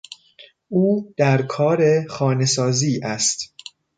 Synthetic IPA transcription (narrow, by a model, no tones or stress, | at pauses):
ʔuːd̪̥æɾkʰɒːɾe̞xɒːne̞sɒːziːʔæst̪